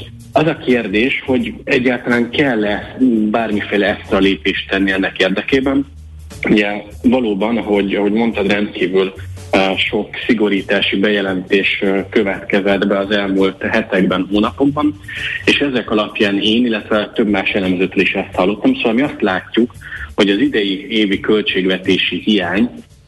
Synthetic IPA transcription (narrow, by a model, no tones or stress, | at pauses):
ɒzɒkeːrd̪eːʃho̞ɟɛɟːaːlt̪ɒlaːŋkɛlːɛbaːrmifeːjlɛɛst̪rɒleːpeːʃt̪ɛnːiɛnːɛkeːrd̪ɛkeːbɛn | uɟɛ | vɒloːbɒnɦo̞ɟɒɦo̞ɟmo̞nt̪ɒd̪rɛnt̪kiːvyl | ʃo̞ksiɡo̞ɾiːt̪aːʃibɛjɛlɛnt̪eːʃkøvɛt̪kɛzɛd̪bɛɒzɛlmult̪ɦɛt̪ɛɡbɛnɦoːnɒpo̞ɡ̚bɒneːʃɛzɛkɒlɒpjaːneːnilːɛt̪ʋɛt̪øbmaːʃɛlɛmzøːt̪øliʃɛst̪hɒlːo̞t̪ːɒmsoːɒlmiɒst̪laːcːukho̞ɟɒzid̪ɛjieːvikø̞lt͡ʃeːɡʋɛt̪eːʃihijaːɲ